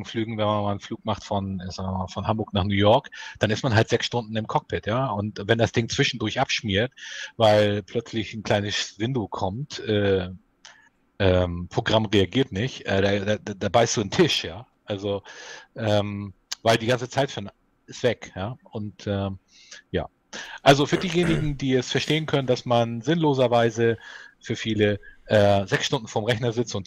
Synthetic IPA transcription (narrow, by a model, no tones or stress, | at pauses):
flyːɡŋ̩vɛnmanmaːln̩fluːk̚maχtfɔnɛzaːɡvmaːfɔnhambʊɐknaːχnuːjɔɐkd̥anɪstmanɦaltz̥ɛksʃtʊndn̩ɪmkʰɔk̚b̥ɪtʰjaːʊntvɛndasd̥ɪŋt͡sv̥ɪʃn̩dʊɐçʔapʃmiːɐtvaɪlpʰl̥œt͡slɪçn̩kl̥aɪnəsvɪndokʰɔmtʔɛː | ʔɛːmpʁ̥oɡʁamʁeaɡiːɐtnɪçtʔɛːdaːdaːdadaːbaɪstd̥uːntʰɪʃjaːʔalzoʔɛːm | vaɪldiːɡant͡sət͡saɪtfyːɐn | ɪstv̥ɛkjaːʔʊntʔɛː | ja̰ː | ʔalzofyːɐdiːjeːnɪɡŋ̩diːɛsfɛɐʃteːənkʰœnəndasmanzɪnloːzɐvaɪzəfyːɐfiːləʔɛːzɛksʃtʊndn̩foːɐmʁɛçnɐzɪt͡stʊnt